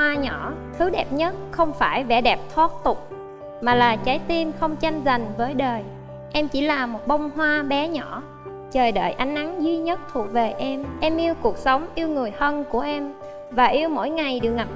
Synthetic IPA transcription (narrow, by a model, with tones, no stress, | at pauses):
aː˧ɲɔ˧˩˨t̪ʰɨ˨˦ɗɛ˨˩p̚ɲə˦˥t̚xə˧wŋ͡mfaː˧˩jvɛ̰˧˩ɗɛ˨˩p̚t̪ʰwaː˦˥t̚t̪ʊ˨˩k͡p̚ | maː˨˩laː˨˩t͡ɕa˨˦jt̪i˧nxə˧wŋ͡mt͡ɕa˧jŋ̟za˨˩jŋ̟vəː˨˦jɗəː˨˩j | ʔɛ˧mt͡ɕi˧˩laː˨˩mo˨˩t̚ɓə˧wŋ͡mɦwaː˧ɓɛ˨˦ɲɔ˧˩˨ | t͡ɕəː˨˩jɗə̰ː˧˨jʔa˨˦jŋ̟ʔa˨˦ŋzwi˧ɲə˦˥t̚t̪ʰu˨˩ək̚ve˨˩ʔɛ˧mʔɛ˧mʔi˧wku˨˩ək̚sə˨˦wŋ͡mʔi˧əwŋɨ˨˩əjhə˧nku˧˩əʔɛ˧m | vaː˨˩ʔi˧əwmo̰˧˥jŋa˨˩jɗɨ˨˩ək̚ŋa˨˩p̚